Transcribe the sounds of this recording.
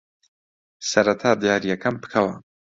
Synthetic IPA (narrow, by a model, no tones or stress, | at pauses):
sɐɾɐt̪ʰaːd̪jaːɾijɐkʰɐmpɨ̥kʰɐwɐ